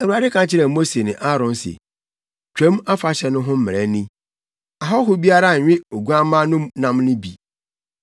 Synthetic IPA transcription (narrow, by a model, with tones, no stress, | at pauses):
æ˨wu˨a˨dɪ˦kʰã˨t͡ɕʰɪ˦ɾɛ˨mo˦se˨nɪ̃˨ʔa˦ɾɔ̃˨nsḛ˨ | t͡ɕᶣɛ̃˦ma˦fa˨ɕɛ˨nʊ̃˦ɦʊ̃˦m̩˦mɪ˨ɾɛ˦nĩ˦ | a˨ɦɔ˦ɦʊ˦bi˦a˦ɾa˦˨ɪ̃˦o˨ɡu˦a˦mãː˦nʊ̃˦mnã˦mnʊ̃˦bi˨